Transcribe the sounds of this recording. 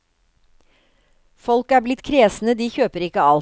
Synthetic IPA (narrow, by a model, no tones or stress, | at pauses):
fɔlkæːblɪt̪kʰɾeːsn̩əd̪iːçøːpəɾɪkəɑl